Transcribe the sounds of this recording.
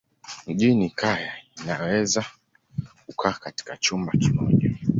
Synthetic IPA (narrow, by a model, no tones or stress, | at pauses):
m̩ʄinikʰajainawɛza | kukʰaːkati̥kat͡ʃumbakimɔʄa